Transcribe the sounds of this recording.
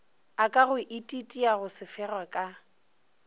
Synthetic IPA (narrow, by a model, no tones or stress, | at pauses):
akʼaɣʊʔitʼitʼiaɣʊsɪfɛrwakʼa